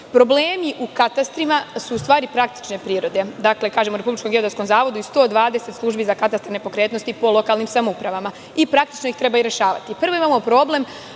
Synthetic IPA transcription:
pɾo̞ble̞ːmiʔukat̪ast̪ɾimasuːst̪ʋaːɾipɾakt̪i̥t͡ʃne̞pɾiːɾo̞d̪e̞d̪akle̞kaːʒe̞muɾe̞publit͡ʃko̞mɡeoaskomzaːʋo̞d̪uist̪o̞ːd̪ʋaːd̪ese̞t̪slˠuʒbizakat̪ast̪ɾane̞po̞kɾe̞ːt̪nost̪ipo̞lo̞kalˠnimsamoupɾaʋama | ipɾak̚t̪i̥t͡ʃno̞içt̪ɾe̞baiɾe̞ʃaːʋa̰t̪ipr̩ʋo̞imaːmo̞pɾo̞ːble̞m

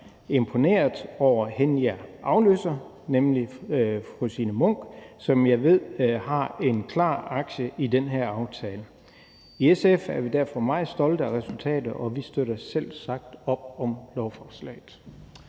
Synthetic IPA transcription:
e̝mpʰo̝ne̝̰ːɐðˠɒʊ̰ɐhenjæʔɑ̈ʊløːsɐ | nemli | ɒsinəmɔ̽ŋ̰ɡ̥sɒ̽mjɑ̈ɪʋe̝ð̞̰ˠɦɑ̈e̝nkʰlɑ̰̈ːɑ̈ɡ̥ɕəʔid̥enɦæɐɑ̈ʊt͡sʰɛːlə | iesefæɐʋd̥æɐ̰fɒ̽mɑ̈ːð̩ˠsd̥ɒ̽ld̥əæʁɛsult͡sʰɛ̰ːd̥ɐʔɒ̽ʋisd̥øɾ̥ɐsel̰sɑ̈ɡ̥̚d̥ɒ̽b̥̚ɒ̽mlɒʊfɒːslɛ̰ɪð̩ˠ

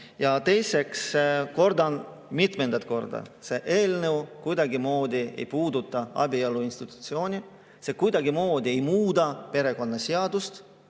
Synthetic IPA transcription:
jɑt̪e̞jse̞ksko̞rd̪ɑn | mit̪mend̪ɑt̪̚ˑko̞rd̪̥ɑ̰se̞ʔe̞ːlnewkujd̪ɑɡimo̞ːd̪ʲie̞̰jpuːd̪ut̪ːˑɑɑ̰bieluinst̪it̪ːˑu̥t̪sio̞ːnʲi | se̞kujd̪̥ɑɡimo̞ːd̪ie̞jmuːd̪̥ɑpe̞ɾe̞ko̞nːɑseɑd̪̥ust̪

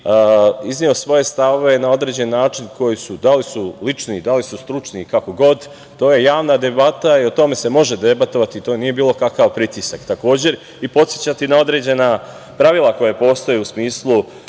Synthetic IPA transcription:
iznio̞sʋo̞je̞st̪aoʋe̞nao̞d̪ɾe̞ːd͡ʑe̞nːaːt͡ʃinko̞jisud̪alisulit͡ʃnid̪alisust̪ɾut͡ʃnikako̞ɡo̞d̪ | t̪o̞ːje̞jaːʋnad̪e̞bat̪aio̞t̪o̞me̞se̞mo̞ʒe̞d̪e̞bat̪o̞ʋat̪iːt̪o̞ːnije̞biːlˠo̞kakaʋpɾit̪isakt̪ako̞ːd͡ʑe̞ɾ | ipo̞t̪sjet͡ɕat̪inao̞d̪ɾe̞ːd͡ʑe̞na | pɾaʋilˠakojepo̞ːst̪o̞jeusmiːslˠu

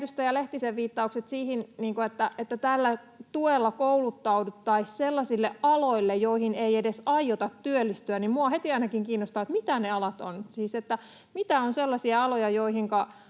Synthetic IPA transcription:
dyst̪æjɑleht̪iseʋːiːt̪ːɑukset̪siːhinniːŋkoet̪ːæʔet̪ːæt̪ælːæ | t̪uelːɑkoulut̪ːɑudut̪ːɑisselːɑsilːeʔʔɑloilːejjoihineiedesɑijot̪ɑt̪tyølːist̪yænimmuɑhet̪iɑinɑkiŋkiːnːost̪ɑet̪mit̪æneɑlɑt̪o̰nsiːset̪ːæ | mit̪æonselːɑsiɑɑlojɑjoihiŋkɑ

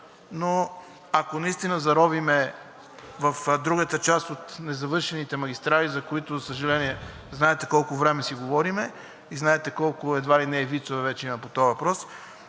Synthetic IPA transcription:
no | akonɐist̪inəzɐɾɔvimɛ | vɐfd̪ɾuɡət̪ət͡ʃast̪ot̪nɛzɐvɤɾʃɛnit̪ɛmɐɡʲist̪ɾalizɐkoit̪ʊzɐsəʒɐlɛniɛ | znaɛt̪ɛkɔlˠkʊvɾɛmɛsiɡovɔɾimɛ | iznaɛt̪ɛkɔlˠkʊɛd̪vaɾinɛːvit̪sovɐvɛt͡ʃɛinɐpot̪ɔɐvɐpɾɔs

